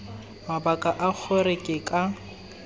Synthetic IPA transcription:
mabakʼaʔak͡xʰʊrɪkʼɪkʼa

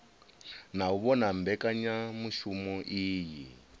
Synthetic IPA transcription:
nauβɔnambɛkaɲamuʃumɔʔiːji

